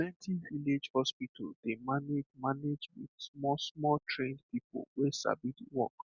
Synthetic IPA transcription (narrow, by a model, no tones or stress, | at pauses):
plɛ̃ntʰiviled͡ʒhɔspitʰaldemanemaned͡ʒwḭd̥smɔsmɔltʰɹẽndpipo̰lwesa̰bidiwɔ̰k